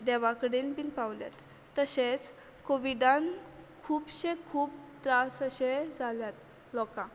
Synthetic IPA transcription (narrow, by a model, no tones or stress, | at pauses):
d̪ɛʋakəɽinpinpawlja̰t̪ː | əset͡s | koʋiɖãnkʰuːpɕekʰuːp̚t̪ɾasəɕed͡zʱaljat̪ | lɔkã